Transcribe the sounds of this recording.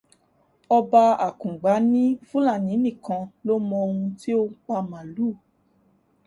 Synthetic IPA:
ɔ˧ba˧a˨kũ˨ɡ͡ba˨˦nĩ˦fũ˦la˦˨nĩ˨˦nĩ˦˨kã˧lo˦mɔ̃˧ũ˧ti˦o˦k͡pa˧mã˨lu˦˨

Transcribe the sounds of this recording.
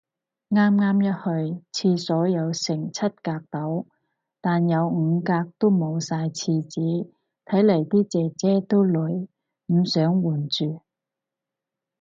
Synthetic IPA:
ŋaː˥mŋaː˥mjɐ˥t̚hɵ˧ɥt͡sʰiː˧sɔː˨˥jɐ˨˧wsɪ˨˩ŋt͡sʰɐ˥t̚kaː˧k̚t̪ɐ˨˥w | t̪aː˨njɐ˨˧wŋ̩˨˧kaː˧k̚t̪o˥wmo˨˧wsaː˧jt͡sʰiː˧t͡siː˨˥ | t̪ʰɐ˨˥jlɐ˨˩jt̪iː˥t͡sɛː˨t͡sɛː˥t̪o˥wlɵ˨˥ɥ | m̩ː˨˧sœː˨˥ŋwuː˨˩nt͡ʃyː˨˩

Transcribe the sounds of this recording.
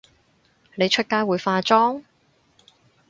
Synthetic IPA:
ne˨˧jt͡ʃʰɵ˥t̚kaː˧˥jwuː˨˧jfaː˧t͡ʃɔː˥ŋ

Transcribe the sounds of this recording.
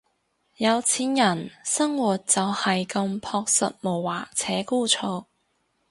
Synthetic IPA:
jɐ˨˧wt͡sʰiː˨˥njɐ˨˩nsɐ˥ŋwuː˨˩t̚t͡sɐ˨whɐ˨jkɐ˧mpʰɔː˧k̚sɐ̰˨t̚mo˨˩wwaː˨˩t͡sʰɛː˨˥kuː˥t͡sʰoː˧

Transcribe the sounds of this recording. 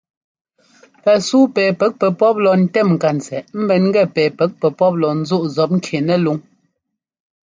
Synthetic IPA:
pɛ˨suː˦pɛː˨pɛ˦k̚pɛ˨pɔ˦p̚lɔ˨n̩˨tɛ˦˨mŋ̩˨ka˨n̩˨t͡sɛ˨m̩˦bɛ˨nŋ̩˦ɡɛ˦˨pɛː˨pɛ˨˦k̚pɛ˨pɔ˦p̚lɔ˨n̩˦zu˦ʔzɔ˨˦p̚ŋ̩˦kʰe˨nɛ˦lu˨˦ŋ

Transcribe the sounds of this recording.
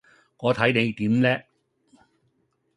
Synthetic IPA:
ŋɔː˨˧t̪ʰɐ˨˥jne˨˧jt̪iː˨˥mlɛː˥

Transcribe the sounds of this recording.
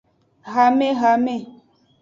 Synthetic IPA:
ɣa˨mẽ˦ɣa˨mẽ˨

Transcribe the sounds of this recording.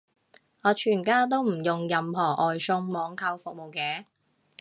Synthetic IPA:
ŋɔː˨˧t͡ʃʰyː˨˩nkaː˥t̪o˥wm̩˨˩jʊ˨ŋjɐ˨˧mɦɔː˨˩ʔɔː˨jsʊ˧˥ŋmɔː˨˧ŋkʰɐ˧wfʊ˨k̚mo˨wkɛː˨˧˥

